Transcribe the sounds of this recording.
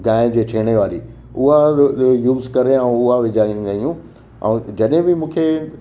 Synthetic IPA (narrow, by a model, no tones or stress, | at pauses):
ɡãːɪ̃d͡ʑeːʈʰeːɽ̃eʋaːɾḭː | ʊɦajuːzkɐɾeɛ̃ʊɦaʋɪd͡ʑaːĩd̪aɦijũ | ɛ̰̃ːd͡ʑɐɗɦɪ̃bɪmũːkʰe